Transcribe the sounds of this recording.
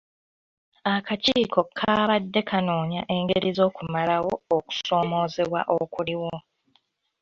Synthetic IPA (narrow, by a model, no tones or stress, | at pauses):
akaciːko̞kʰaːβadːe̞kʰano̞ːɲa̰ʔe̞ːŋɡeɾizo̞ːkumalawo̞ːku̥so̞ːmo̞ːze̞βwa̰ʔokuliwo̞